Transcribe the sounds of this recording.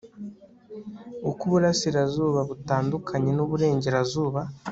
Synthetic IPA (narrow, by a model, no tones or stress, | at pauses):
ukuβuɾasiɾazuːβaβutaːndukʰaɲe̞nuβuɾe̞ːɲɟe̞ɾazuːβa